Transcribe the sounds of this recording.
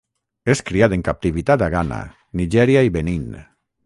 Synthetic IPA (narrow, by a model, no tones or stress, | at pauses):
eskɾiat̪eŋkap̚t̪iβit̪at̪aɣana̰ | niʒɛɾjaiβenin